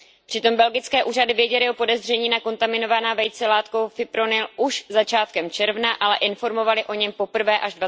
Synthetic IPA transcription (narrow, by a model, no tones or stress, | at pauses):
pr̝̥ɪt̪o̞mbɛlɡɪt͡skɛːʔuːradɪvjɛɟɛlɪo̞po̞dɛzr̝ɛɲiːnako̞nt̪amɪno̞vanaːvɛjt͡sɛlaːt̪ko̞wfɪpɾo̞nɪlʔuʃzat͡ʃaːt̪kɛmt͡ʃɛɾvnaʔalɛʔɪnfo̞ɾmo̞valɪʔo̞ɲɛmpo̞pr̩vɛːʔaʒdva